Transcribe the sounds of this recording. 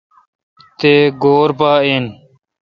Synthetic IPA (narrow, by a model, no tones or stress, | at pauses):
t̪eːɡoːɾpaːin